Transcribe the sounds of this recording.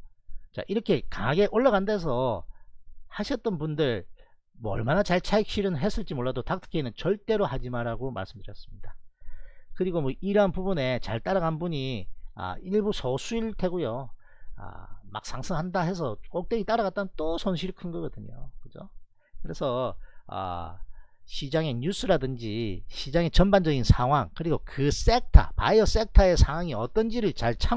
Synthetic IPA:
t͡ɕa̰ʔiɾʌkʰe̞kaɡe̞ʔoɭːaɡandes̬ʰʌ | haɕʰʌt͈̚ʌnbundɯɭ | mʌʌɭmanat͡ɕaɭt͡ɕʰaik̚ɕ͈iɾɯnɦe̞s͈ɯɭt͡ɕ͈imoɭːadotak̚tʰɯ̥kʰeinɯnt͡ɕʌɭt͈e̞ɾohad͡ʑimaɾaɡoma̰ɭs͈ɯmdɯɾjʌs͈ɯ̥mɲida | kɯɾiɡomʌʔiɾanpubune̞t͡ɕaɭt͈aɾaɡanbuɲia̰iɭbusʰʌsʰuiɭtʰe̞ɡujo | a̰ma̰k̚s͈ʰaŋsʰɯŋhandaɦe̞s̬ʰʌk͈ok̚t͈eɡit͈aɾaɣat̚t͈anɯnt͈osʰʌnɕʰiɾɯkʰɯnɡʌɡʌdɯɲo̰kɯd͡ʑo̰ | kɯɾe̞sʰʌʌ̰ | ɕʰid͡ʑaŋe̞ɲus͈ɯɾadɯnd͡ʑiɕʰid͡ʑaŋe̞t͡ɕʌnband͡ʑʌɡinsʰaŋɦwaŋkɯɾiɡokɯs͈e̞k̚tʰa̰pa̰iʌs͈e̞k̚tʰae̞sʰaŋwaŋiʌt͈ʌnd͡ʑiɾɯɭt͡ɕaɭt͡ɕʰa

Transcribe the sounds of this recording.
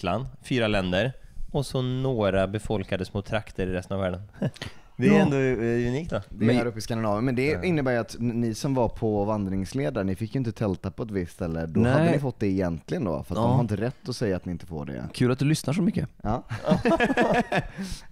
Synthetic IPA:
la̰nd̪fyːɾalɛnd̪əɾɔsɔnoːɾabɛfɔlkad̪əsmoːt̪ʰɾakt̪ʰəɾɪɾɛst̪ənavæːɖən | d̪ɛɛnd̪oʉniːkt̪d̪ɔd̪ɛaːɾɵpːɪskand̪ɪnɑːvəmɛnd̪ɛɪnːəbæːɾjat̪nɪsɔmvapʰɔvand̪ɾɪŋsleːd̪aɾəɳɪfɪkːjɵɪnt̪ət̪ʰɛlt̪apɔɛt̪vɪstːsɛlːəɖɔhaddənɪfɔt̪̚d̪ɛːjɛnt̪lɪɡənd̪ɔ̰fœɾat̪dd̪ɔmhaɾɪnt̪əɾɛt̪ːɔsɛjːaːt̪nɪɪnt̪əfo̰ːɖɛ̰kʰʉlat̪̚d̪ɵlʏsnaʂɔmʏkːəɑː

